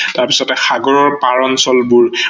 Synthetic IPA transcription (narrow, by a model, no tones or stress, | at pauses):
taɹpisɔtɛxaɡɔɹɔɹpaɹɔnsɔlbuɹ